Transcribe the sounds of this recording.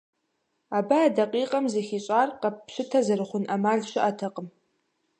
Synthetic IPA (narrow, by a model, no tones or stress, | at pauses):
aːbaːdɐqʼiːqʼɐmzɐxiːɕʼaːrqɐpɕɪtʰɐzɐrɨχʷʊnʔɐmaːɮɕɪʔɐtʰɐqʼəm